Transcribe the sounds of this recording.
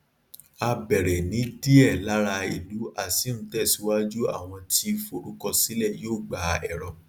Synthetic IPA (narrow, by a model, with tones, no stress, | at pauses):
a˧bɛ˨ɾɛ˨nĩ˨˦di˦ɛ˦˨la˨˦ɾa˧ḭ˨lu˨˦ʔa˦˨si˨˦ñ̩˦tɛ˦˨si˨˦wa˦d͡ʒu˦a̰˦˨w̃ɔ̃˧ti˧fo˨ɾu˨˦kɔ˧si˦lɛ˦˨joː˦˨ɡ͡ba˨˦ɛ̰˦˨ɾɔ˨